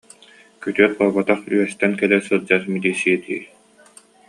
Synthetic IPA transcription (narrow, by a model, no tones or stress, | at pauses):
kyt̪yœt̪̚qɔːbat̪aχy̰ɛst̪ɛnkɛlɛsɯd͡ʑat̪mid̪isiɛd̪ḭːɾ